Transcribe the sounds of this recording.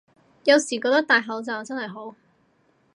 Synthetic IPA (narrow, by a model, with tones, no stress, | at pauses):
jɐ˨˧wsiː˨˩kɔ˧k̚t̪ɐ˥kt̪aː˨jɦɐ˨˥wt͡sɐ˨˧t͡sɐ˥nhɐ˨jɦo˨˥w